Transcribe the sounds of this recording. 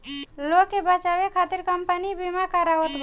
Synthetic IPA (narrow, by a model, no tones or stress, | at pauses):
lokːebət͡ʃawekʰat̪iɾkəmpənibimakəɾawət̪b